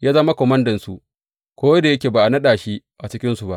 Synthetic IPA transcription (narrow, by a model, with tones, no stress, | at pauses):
jaː˦zɐ˦ma˦kʷɔ˨mɐ˦ndɐ˨nsu˨ʔ | kʷoː˦jda˨jɐ˦kʲeː˨baː˨ʔa˨nɐ˦ɗaː˨ʃi˦ | ʔa˨t͡ʃɪ˦kʲɪ˦nsu˨ba˦ʔ